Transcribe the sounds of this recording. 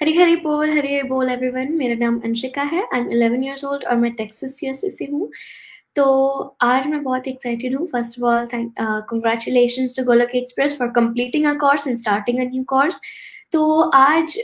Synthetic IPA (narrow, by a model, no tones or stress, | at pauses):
hɐɾiɦɐɾipoːlɦɐɾiɐboːlɛʋɾiʋɐ̃nmeːɾanaːmɐ̰̃nʃɪkaɦɛʔãːɪ̃mɪlɛʋə̃njiəɾzoːlɖɔ̰ːɾmɛ̃ʈɛːksəsjiəɾsɪseɦũ | t̪oːaːd͡ʒmɛ̃bɔːt̪ɛksaɪʈ̬ɪɖɦũfəɾsʈɔfɔːlt̪ʰɛ̃kɔ̃ŋɡɾæːt͡ʃʊleːʃə̃nsʈuɡoːləkiɛkspɾɛsfɔːɾkɐ̃mpliːʈɪ̃ŋəkɔːɾsɛ̃nsʈaːɾʈɪ̃ŋɡənjuːkɔːɾs | t̪oːʔaːd͡ʒ